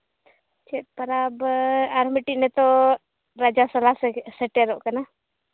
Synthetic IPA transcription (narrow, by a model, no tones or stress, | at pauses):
t͡ʃet̪̚pɐɾabaɾmiʈiʔnɛt̪o | ɾad͡ʒasɐlasseʈeɾoʔkɐna